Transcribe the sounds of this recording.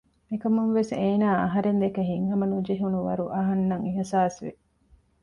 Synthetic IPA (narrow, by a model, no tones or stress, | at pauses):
mikɐmuŋʋeseːnaːɐ̰ɦɐɾend̪ekeɦiŋhɐmɐnud͡ʒeɦunuʋɐ̰ɾuʔɐɦɐnːɐŋiɦɐsaːsʋḛ